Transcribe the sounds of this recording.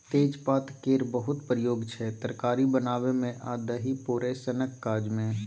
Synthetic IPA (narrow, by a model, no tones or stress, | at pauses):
t̪eːd͡ʒpaːt̪keːɾbəɦʊt̪pɾəjoːɡt͡ʃʰɛt̪əɾkaːɾibənaːʋemẽʔaːd̪əɦipuɾesənəkːaːd͡ʒmẽ